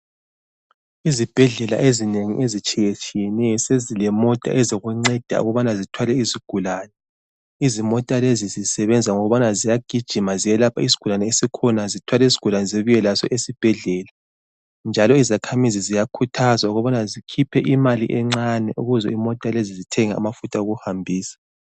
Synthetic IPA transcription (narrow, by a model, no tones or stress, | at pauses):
izib̥ʱɛɮɛla̰ʔezineŋḭʔezit͡ʃʼijet͡ʃʰʼijɛnɛsezilɛmɔtʼa̰ʔɛziɣuŋ͡ǀɛd̥ʱa̰ṵɣɔβanazitʰwalɛiziɡ̥ʱulaːnɛ | izimɔtʼalezizisɛβɛnd͡zʱaŋɔɣuβanazijaɡ̥ʱid̥ʒ̥ʱimazijɛlapʰais̬i̥ɡ̥ʱulanɛesikʰɔnazitʰwalɛis̬i̥ɡ̥ʱulanɛziβujɛlasɔʔesib̥ʱɛɮɛːla | nd͡ʒʱalɔizakʰamizizijakʰutʰazwauɣɔβanazikʰipʰɛʔimaliʔɛŋ͡ǀanɛʔuɣuzɔimɔtʼalezizitʰɛŋaa̰mafutʼauɣuhambʱiːsḁ